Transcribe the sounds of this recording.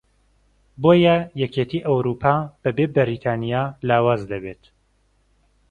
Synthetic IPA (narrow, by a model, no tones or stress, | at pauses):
boːjɛjɛkeːt̪ʰiːʔɐwɾuːpʰaːb̥ɐbebɨɾit̪ʰaːnijaːlaːwaːzd̪ɐbet̪